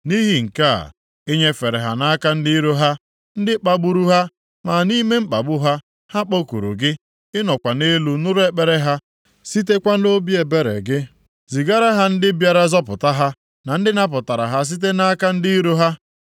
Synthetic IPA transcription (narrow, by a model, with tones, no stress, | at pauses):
ni˦ɦi˨ŋ̩˨ka̰˦˨ | e˦ɲe˦fe˨ɾe˨ɦa˨na˦ka˦n̩˦di˦ɾo˦ɦa˦ | n̩˦dɪ˦k͡pa˦ɡ͡bu˨ɾu˦ɦa˦ | ma˨ni˦me˦m̩˦k͡pa̰˨ɡ͡bʊ˦ɦa˦ | ha˦k͡po˦kṵ˨ɾṵ˨ɡɪ˦ | ɪ˦nɔ˨kʷa˨ne˦lu˦nʊ˦ɾe˦k͡pe˨ɾe˦ɦa˦ | si˦t̬e˦kʷa˦no˦bi˦e˨be˦ɾḛ˨ɡɪ˦ | zi˨ɡa˦ɾa˦ɦa˦n̩˦dɪ˦bja˨ɾa˦zɔ˦pʊ̰˨ta˦ɦa˦ | na˨n̩˦dɪ˦na˦p̬ʊ˨ta˨ɾa̰˨ɦa˦s̬i˦t̬e˦na˦a˦ka˦n̩˦di˦i˦ɾo˦ɦa˦